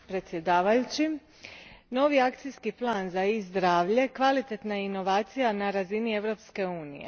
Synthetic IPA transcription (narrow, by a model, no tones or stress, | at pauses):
pɾe̞t̪sje̞d̪aːʋajut͡ɕi | no̞ːʋiakt̪sijskiplˠaːnzaizd̪ɾaːʋʎe̞kʋalit̪e̞t̪naino̞ʋaːt̪sijanaɾazinie̞ʋɾo̞ːpske̞uːnḭjḛ